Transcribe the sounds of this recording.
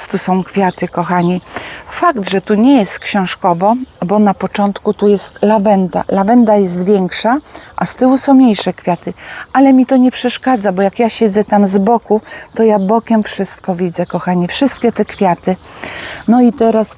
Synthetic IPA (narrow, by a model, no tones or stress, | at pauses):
st̪usɔ̃w̃kfʲjat̪ɘkɔxaɲifakd̪ʐɛt̪uɲɛjɛst̪kɕɛ̃w̃ʂkɔvɔbɔnapɔt͡ʂɔnt̪kut̪ujɛst̪lavɛnd̪a̰lavɛnd̪ajɛs̬t̪vʲjɛŋkʂaʔa̰st̪ɘwusɔ̃w̃mɲejʂɛkfʲjat̪ɘʔalɛmʲit̪ɔɲɛpʂɛʂkad̪zabɔjakjaɕɛd̪zɛt̪amzbɔkut̪ɔjabɔkʲɛmfʂɘst̪kɔvʲid̪zɛkɔxaɲifʂɘst̪̚kʲɛt̪ɛkfʲjat̪ɘ | nɔit̪ɛɾas